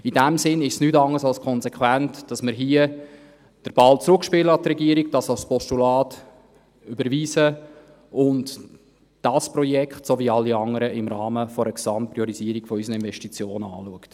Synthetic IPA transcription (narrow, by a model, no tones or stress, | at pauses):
idæmsɪnɪʃsnytɑŋəsɑlskʰɔnzɛkʰwæntd̥ɑsməɾɦiə | d̥əɾb̥ɑlt͡sɾʊkʃpɪləɑt̪rɛɡiəɾiɡd̥ɑsɑlspɔstulɑːt | ybəɾviːsə | ʊnd | d̥ɑspɾɔjɛkχtsoviɑlːiɑŋəɾəʔɪmɾɑːməfɔɾəksɑmt̚pɾiɔɾiziəɾikfɔysnəɪnvɛʃtit͡sjoːnɑ̰ːluəkt